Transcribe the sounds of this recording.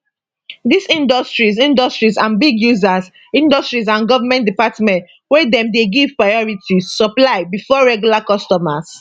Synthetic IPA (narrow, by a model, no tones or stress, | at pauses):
disĩndɔstɹisĩndɔstɹisãnbiɡjuzas | ĩndɔstɹis̬ãnɡɔvamɛ̃ntdipatmɛ̃nt | wɛdɛ̃mdeɡiv̥pɹaɪɔɹitʰissɔplaɪbifɔɹɛɡjulakɔstɔmas